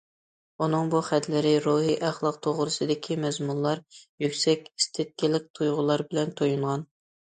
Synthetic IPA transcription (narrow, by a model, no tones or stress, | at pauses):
unɨŋbuχɛt̪lɪɾɪɾuɦiʔæχlˠɑq̚t̪ʰoʁɾɨsɨd̪ɪkʲʰimɛzmunlˠɑɾjykʲsɛkʲist̪ʰɪt̪̚kʲɪlɪk̚ʲt̪ʰujʁʊlˠɑɾbɪlɛnt̪ʰojuɴʁɑn